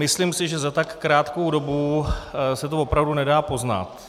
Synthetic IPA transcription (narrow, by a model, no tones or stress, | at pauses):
mɪslimsɪʒɛzat̪akːɾaːt̪ko̞wdo̞bu | sɛt̪ovo̞pɾavdunɛdaːpo̞zna̰t̪